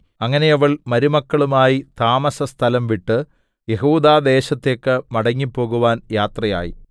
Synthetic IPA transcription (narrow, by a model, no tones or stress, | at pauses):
ɐŋːɐne̞jɐʋɐɭmɐɾumɐkːɐɭumaːjit̪aːmɐsɐst̪ʰɐlɐmʋiʈːɨ | je̞ɦuːd̪aːd̪e̞ːɕɐt̪ːe̞ːkːɨmɐɽɐŋːipːo̞ːɣuʋaːnjaːt̪rɐja̰ːjḭ